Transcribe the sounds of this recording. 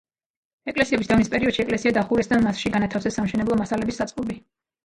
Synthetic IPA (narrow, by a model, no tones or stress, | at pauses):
ɛkʼlɛsiɛbisd̪amispʼɛɾiɔd̪̥ʃiɛkʼlɛsiad̪aχuɾɛsd̪amasʃiɡanat̪ʰafsɛsːamʃɛnɛblˠɔmasalɛbisːat̪sʼqʼɔbi